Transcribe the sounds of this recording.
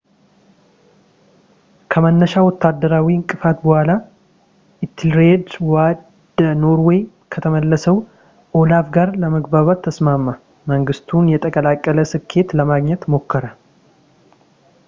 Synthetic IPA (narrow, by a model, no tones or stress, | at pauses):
kʰəmənːəʃawɔt̪ʰːad̪ːəɾawiɨŋkʼɨfat̪bəhala | ʔɪt̪ʰːlɾedwadd̪no̞ɾwɔj | kʰət̪ʰəməlːəsəw | ʔolafɡaɾləməɡbaβat̪ʰːəsmamːə | məŋɡɨst̪ʰunjɛt̪ʼʰəkʼəlakʼːələsɨkʰːe̞t̪ləmaɡɲɛt̪mo̞kːəɾə